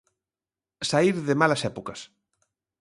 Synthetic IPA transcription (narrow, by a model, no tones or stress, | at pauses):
saiɾðɪmalɐsɛpukɐs